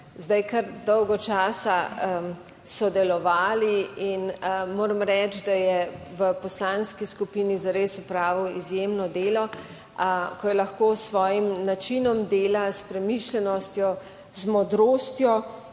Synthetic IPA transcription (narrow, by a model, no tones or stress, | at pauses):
zd̪ajkɐɾd̪ɔwɡɔt͡ʃaːsa | sɔd̪ɛlɔʋaːliinmoːɾəmɾɛt͡ʃd̪ajɛʋəpɔslaːnskiskupinizaɾesupɾaːʋiwizjemnɔd̪eːlɔ | kɔjɛlaxkoːsʋɔːjimnat͡ʃinɔmd̪eːlaspɾɛmiʃlʲɛnɔst̪jɔ | zmɔd̪ɾoːst̪jɔ